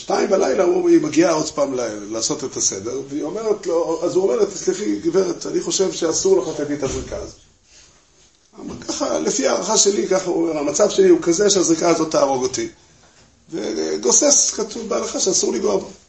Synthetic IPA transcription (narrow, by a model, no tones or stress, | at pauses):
ʃtaimbelajlauomimaɡiao̞dpaːmlelaːso̞te̞t̪ase̞de̞ʁveio̞me̞ʁetloazuome̞ʁlet̪asliχiɡiveʁet̪aniχo̞ʃe̞vʃe̞asuʁleχat̪adit̪azʁikaazot | amalkaχalefiaːʁaχaʃe̞likaχauome̞ʁhamat͡savʃe̞liukazeʃeazʁikaazo̞t̪ːaːʁo̞ɡoti | vḛɡoseskatuvbealaχaʃeasuʁliɡovo